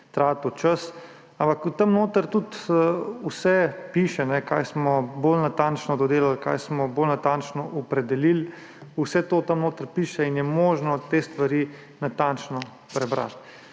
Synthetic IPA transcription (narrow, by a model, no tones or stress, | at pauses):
t̪ɾaːt̪ut͡ʃəs | ampakut̪ɐmnoːt̪əɾt̪ut̪ːusɛpiːʃɛnɛkaːjsmɔbolnat̪ant͡ʃnɔd̪ɔd̪eːlalka̰jsmɔbolnat̪ant͡ʃnɔʔɔpɾɛd̪ɛlil | usɛt̪oːt̪ɐmnoːt̪əɾpiːʃɛinjɛmoːʒnɔt̪eːst̪ʋaɾi | nat̪ant͡ʃnɔ | pɾɛbɾa̰t̪̚